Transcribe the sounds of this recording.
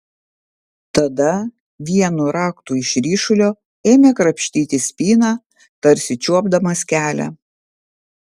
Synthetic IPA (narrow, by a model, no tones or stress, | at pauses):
t̪ɐd̪ɐ | ʋʲiɛnuːɾɑːkt̪uːɪʃɾʲiːʃʊlʲoː | eːmʲeːkɾɐpʲʃʲt̪ʲiːt̪ʲɪsʲpʲiːnɑː | t̪ɐɾʲsʲɪt͡ʃʲuɔbd̪ɐmɐskʲæːlʲæ̰